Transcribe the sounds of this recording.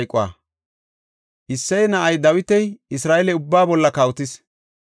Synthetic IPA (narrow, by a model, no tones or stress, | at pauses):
jkʼʊwa̰ | ʔɪsːɛjnɐʔɐjd̪ɐwɪt̪ɛjɪsɾaːɛlɛʊbːaːbɔlːɐkɐwt̪ɪs